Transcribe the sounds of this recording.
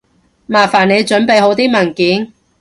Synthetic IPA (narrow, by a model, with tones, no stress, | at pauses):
maː˨˩faː˨˩ne˨˧jt͡ʃɵ˨˥npe˨˧jho˨˧˥wt̪iː˥mɐ˨˩nkiː˨˥n